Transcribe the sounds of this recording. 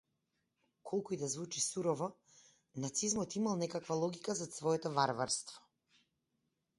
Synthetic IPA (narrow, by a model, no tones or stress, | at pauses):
kʰɔlˠkuid̪azvut͡ʃisuɾɔvɔ | nat̪sizmɔt̪imalˠnɛkakvalˠɔɡikazat̪svɔɛt̪ɔvaɾvaɾst̪vɔ̥